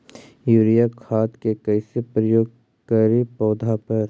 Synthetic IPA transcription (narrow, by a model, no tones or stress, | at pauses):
juːɾijakʰaːt̪kekəɪsepɾəjoːɡ̚ | kaːɾipɔːd̪ʱapɐɾ